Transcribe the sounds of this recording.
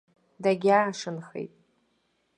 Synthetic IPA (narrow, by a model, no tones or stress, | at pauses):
daɡʲaːʂɨnχḛjtʼ